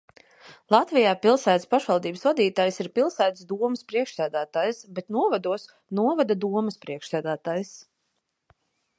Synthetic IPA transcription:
lˠat̪vijaːpilˠsæːt̪spaʃvɑlˠd̪iːbəsvad̪iːt̪aːjsiɾpilˠsæːt̪sd̪uɔməspɾiɛkʃsæːd̪æːt̪aːjsbet̪nuɔvad̪uɔs | nuɔvad̪ad̪uɔmɨspɾiɛkʃsæːd̪æːt̪aːjs

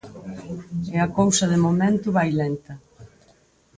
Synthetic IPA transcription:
ɪɐkowsɐðɪmomẽnt̪ʊβajlent̪ɐ

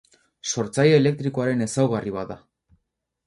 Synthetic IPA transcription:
so̞ɾt͡sajeːle̞k̚t̪ɾiko̞aɾe̞ne̞sawɣariβ̞aða

